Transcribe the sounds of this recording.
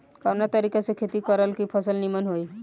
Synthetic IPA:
kanat̪əɾikasekʰet̪ikəɾəlkipʰəsəlnimənɦoi

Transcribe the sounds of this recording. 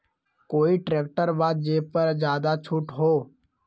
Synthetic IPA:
koːiʈɾeːk̚ʈəɾbaːd̪̚d͡ʒeːpəɾd͡ʒjaːd̪at͡ʃʰʊʈɦoː

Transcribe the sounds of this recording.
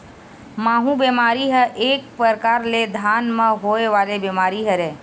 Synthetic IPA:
maːɦũbeːmaːɾiɦəʔeːk̚pəɾkaːɾled̪ʱaːnmə̃ɦoːeʋaːlebemaːɾiɦəɾeː

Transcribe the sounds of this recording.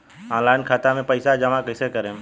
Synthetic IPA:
ãːlaːɪnkʰaːt̪amẽpəɪsad͡ʒɐmakəɪsekəɾẽː

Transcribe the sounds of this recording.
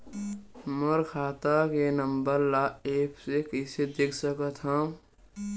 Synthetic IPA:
məɾkʰaːt̪akenəmbəɾlaepʰsekəsed̪ekʰsəkət̪ɦə̃

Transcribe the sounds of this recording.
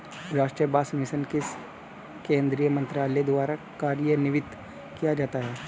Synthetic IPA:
ɾaːʃʈɾijəbaːsmɪʃənkɪs | kẽːnd̪ɾijəmɐ̃nt̪ɾaːlɛd̪ʋaːɾa | kaːɾijənɪʋɪt̪ | kijad͡ʒaːt̪aɦɛː

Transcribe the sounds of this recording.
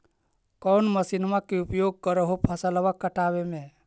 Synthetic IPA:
kɔʊnməsinmakeupjoːɡ̚kəɾəɦopʰəsəlʋakəʈaʋemẽ

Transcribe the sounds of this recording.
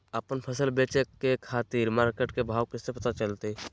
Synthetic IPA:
əpənpʰəsəlbeːt͡ʃekekʰaːt̪iːɾmaːɾkeːʈkebʱaːwkesepət̪at͡ʃəlt̪e

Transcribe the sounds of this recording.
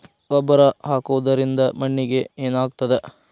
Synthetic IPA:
ʋɐbɐɾɐɦaːkuʋɐd̪ɐɾind̪ɐmɐɳːiɡe̞eːnaːɡt̪ɐd̪e

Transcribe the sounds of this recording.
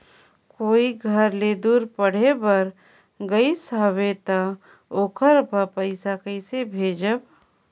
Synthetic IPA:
koːiɡʱəɾled̪uːɾpəɽ̤ebəɾ | ɡəisaːʋet̪a | oːkʰəɾpəpəɪsakəɪsebʱeːd͡ʒəb

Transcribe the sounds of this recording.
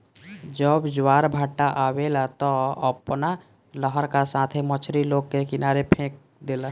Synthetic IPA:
d͡ʒəbd͡ʒwaːɾbʱaʈːaʔaweːlat̪ɔəpna | ləɦəɾkasãːt̪ʰemət͡ʃʰɾiloːɡ̚kekɪnaːɾepʰẽːk̚ | d̪eːla

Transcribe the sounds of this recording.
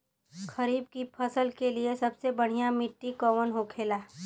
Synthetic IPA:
kɐɾiːb̚kipʰəsəlkeliesɐbsebəɽ̤ijamɪʈːikɔːʋənɦokʰeːlaː

